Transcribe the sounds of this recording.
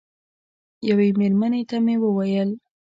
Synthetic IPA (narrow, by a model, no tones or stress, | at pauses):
jawemeɾmanet̪amewəwajəl